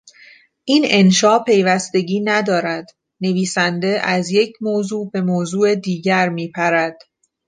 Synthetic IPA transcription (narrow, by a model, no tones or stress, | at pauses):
ʔiːne̞nʃɒːʔpʰe̞jvæst̪e̞ɟiːnæd̪ɒːɾæd̪̥ | ne̞viːsænd̪e̞ʔæzje̞cʰmoːzuːbe̞moːzuːed̪iːɟæɾmiːpʰæɾæd̪̥